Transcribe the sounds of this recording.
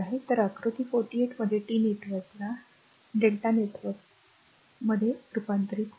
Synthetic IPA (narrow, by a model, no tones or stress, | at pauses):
aɦet̪əɾəkɾut̪iːfoʈieʈməd̪ʱːjeʈiːnit̪ʋət̪na | ɖelʈanet̪ʋəɾk | məd̪ʱːjeɾupant̪ɾik̪